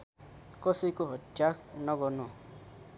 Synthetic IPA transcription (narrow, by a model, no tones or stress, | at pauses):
kosikuɦɔd͡ʒaknɔɡɔnũ